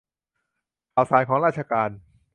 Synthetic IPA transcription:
kaː˨˩wsaː˩˦nkʰɔː˩˦ŋɾaː˥˩t̪̚t͡ɕʰa˧kaː˧n

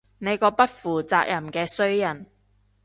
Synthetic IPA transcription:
ne˨˧jkɔː˧pɐ˥t̚fuː˨˩t͡saː˧k̚jɐ˨˩mkɛː˧sɵ˥ɥjɐ˨˩n

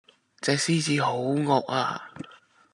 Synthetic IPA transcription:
t͡sɛː˨ksiː˥˩t͡siː˧ho˨˥wŋɔː˨k̚a̰ː˧

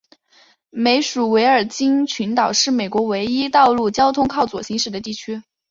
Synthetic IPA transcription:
me˧˥ɪʂu˨˩we˧˥ɪə˞˨˩t͡ɕi˥ŋt͡ɕʰy˧˥nt̪ɑ˨˩ʊʂɻ̩˥˩me˨˩ɪkwɔ˧˥we˧˥ɪi˥t̪ɑ˥˧ʊlu˥˩t͡ɕjɑ˥ʊt̪ʰʊ˥ŋkʰɑ˥˩ʊt͡swɔ˨˩ɕi˧˥ŋʂɻ̩˨˩d̪ə˦t̪i˥˩t͡ɕʰy˥

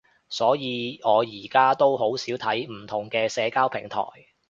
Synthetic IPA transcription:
sɔː˨˥jiː˨˧ɔː˨˧jiː˨˩kaː˥t̪o˥wɦo˨˥wsiː˨˥wt̪ʰɐ˨˥jm̩˨˩t̪ʰʊ˨˩ŋkɛː˧sɛː˨˧kaː˥wpʰɪ̰˨˩ŋt̪ʰɔ̰ː˨˩j

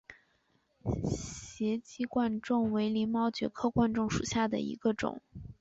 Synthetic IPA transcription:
ɕjɛ˧˥t͡ɕi˥˧kwa˥˧nʈ͡ʂʊ˥˩ŋwe˧˥ɪli˧˥mɑ˥ʊt͡ɕɥɛ̰˧˥kʰɤ˥˧kwa˥˧nʈ͡ʂʊ˥˩ŋʂṵ˨˩ɕja˥˩d̪ə̰˩ḭ˧˥ɡ̥ə˧ʈ͡ʂʊ̰˨˩˦ŋ

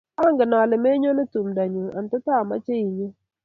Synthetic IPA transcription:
a˦ŋɡɪ˨na˨lɪ˨me˦ɲo˦nɪ˦tu˨mda˨ɲu˨a̰˨n˨tʊ˦ta˦˨ma̰˦t͡ʃe˦i˨ɲ˦

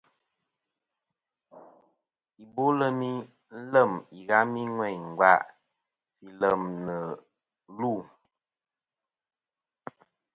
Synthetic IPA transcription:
i˨bo˦lə˦mi˦ | lə˦˨mi˨ɣa˦mi˦ŋwɛ˦˨ɲŋ˨ɡa̰˦ʔ | fi˨lə˨mnə˨˦ | lu˦˨

